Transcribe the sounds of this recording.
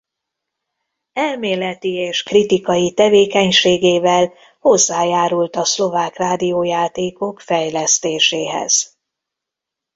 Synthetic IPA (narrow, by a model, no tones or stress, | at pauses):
ɛlmeːlɛt̪ieːʃkrit̪ikɒjit̪ɛveːkɛɲʃeːɡeːvɛl | ho̞zːaːjaːɾult̪ɒslo̞vaːkraːd̪ijoːjaːt̪eːko̞kfɛjlɛst̪eːʃeːɦɛ̰z̥